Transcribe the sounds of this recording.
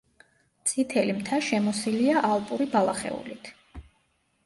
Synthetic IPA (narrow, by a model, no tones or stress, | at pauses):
t̪sʼʰit̪ʰɛlimt̪ʰaʃɛmɔsiliaʔalˠpʼuɾibalˠaχɛ̰ṵlit̪ʰ